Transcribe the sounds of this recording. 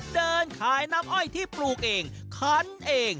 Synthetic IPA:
dɤː˧nkʰaː˨˧˩jna˦˥mʔɔ˥˩jt̪ʰiː˥˩pluː˨˩k̚ʔeː˧ŋ | kʰɔ˦˥nʔeː˧ŋ

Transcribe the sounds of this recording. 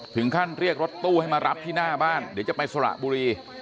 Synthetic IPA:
t̪ʰɯ˩˦ŋkʰa˥˩nɾi˥˩ək̚ɾo˦˥t̪ːuː˥˩ha˥˩jmaː˧ɾa˦˥p̚t̪ʰiː˥˩naː˥˩baː˥˩ndi˨˦t͡ɕa˨˩pa˧jsa˧ɾa̰˨˩ʔbuː˧ɾiː˧

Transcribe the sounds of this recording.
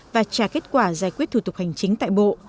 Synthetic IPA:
vaː˨˩t͡ɕaː˧˩ke˦˥t̚kwaː˧˩zaː˧˩jkwt̚t̪ʰu˧˩t̪ʊ˨˩ha˨˩jŋ̟t͡ɕï˨˦ŋ̟t̪a̰ː˧˨jɓo̰˧˨

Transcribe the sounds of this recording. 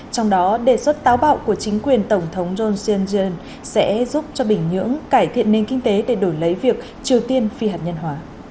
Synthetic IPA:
t͡ɕɔ˧wŋ͡mɗɔ˨˦ɗe˧˩swə˦˥t̚t̪aː˨˦wɓa̰ː˧˨wku˧˩ət͡ɕï˨˦ŋ̟kwi˨˩ənt̪ə˧˩wŋ͡mt̪ʰə˨˦wŋ͡mzo˧nsi˧ə˧nzi˧ə˧n | sɛ̰˧˥zu˦˥p̚t͡ɕɔ˧ɓï˧˩ŋ̟ɲɨ̰˧˥əŋkaː˧˩jt̪ʰḭ˧˨ənːe˧nkï˧ŋ̟t̪e˨˦ɗe˧˩ɗo˧˩jlə˨˦jvi˨˩ək̚ | t͡ɕi˨˩əwt̪i˧ənfi˧ɦaː˨˩t̚ɲə˧nɦwaː˨˦

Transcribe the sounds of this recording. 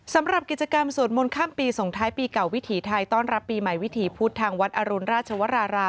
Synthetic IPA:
sa˩˦mɾa˨˩p̚ki˨˩t͡ɕa˧ka˧msu˨˩nmo˧nkʰaː˥˩mpiː˧so˨˩˦ŋt̪ʰaː˦˥jpiː˧ka˨˩wi˦˥t̪ʰiː˩˦t̪ʰa˧jt̪ɔː˥˩nɾa˦˥pːiː˧ma˨˩jwi˦˥t̪ʰiː˨˩˦pʰuː˦˥˩t̪ʰːaː˧ŋwa˦˥t̪̚ʔa˧ɾu˧nɾaː˥˩t̪̚t͡ɕʰa˧wa˦˥ɾaː˧ɾaː˧

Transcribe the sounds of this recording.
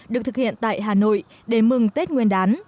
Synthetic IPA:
ɗɨ˨˩ək̚t̪ʰɨ˨˩k̚hḭ˧˨ənt̪a̰ː˧˨jɦaː˨˩no̰˧˨j | ɗe˧˩mɨ˨˩ŋt̪e˦˥t̚ŋwi˧ənɗaː˨˦n

